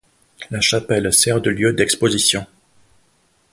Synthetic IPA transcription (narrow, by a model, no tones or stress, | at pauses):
laʃapɛlsɛʁd̪əljød̪ɛkspozisjɔ̃